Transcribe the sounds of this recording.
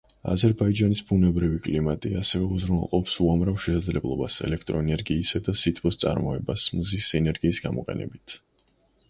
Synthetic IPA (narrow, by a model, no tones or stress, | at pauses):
a̰zɛɾbaid͡ʒanisbunɛbɾivikʼlimat̪ʼiasɛvɛuzɾunɛlˠqʼɔpsuamɾafʃɛsad̪zlɛblˠɔbasɛ̰lɛkʰt̪ʼɾɔɛnɛɾɡiːsad̪asit̪ʰbɔst̪sʼa̰ɾmɔɛbasmzisɛnɛɾɡiːsɡamɔqʼɛ̰nɛ̰bit̪ʰ